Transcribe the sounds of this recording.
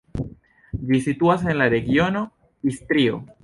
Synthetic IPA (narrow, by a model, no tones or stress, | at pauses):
visit̪uasenlaɾeɣjono | ist̪ɾio̰